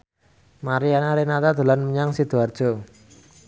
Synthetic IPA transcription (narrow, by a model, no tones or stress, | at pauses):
maɾianaɾenat̪ad̪̥ṳlanməɲaŋsid̪̥uard̥ʒ̥ɔ̤